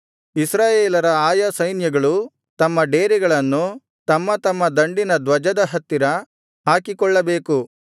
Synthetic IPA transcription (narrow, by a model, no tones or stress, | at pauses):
isɾaːjeːlɐɾɐaːjasɐjnjɐɡɐɭu | t̪ɐmːɐɖeːɾiɡɐɭɐnːu | t̪ɐmːɐt̪ɐmːɐd̪ɐɳɖinɐd̪ʋɐd͡ʒɐd̪ɐɦɐt̪ːiɾɐ | ɦaːkikɔɭːɐbeːku